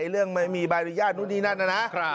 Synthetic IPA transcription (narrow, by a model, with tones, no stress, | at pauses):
ɾɯ˥˩əŋma˥˩jmiː˧baː˧jɾi˧˩jaː˥˩t̪̚nu˦˥t̪̚niː˦˥na˥˩nna˧˥˩na˦˥ʔ